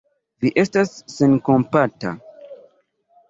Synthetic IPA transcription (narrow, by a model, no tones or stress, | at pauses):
viʔestasːẽnkõmpata̰